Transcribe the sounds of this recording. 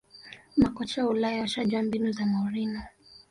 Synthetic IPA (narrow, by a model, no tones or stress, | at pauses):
makɔt͡ʃaulajaʃaʄwambinuzamauɾina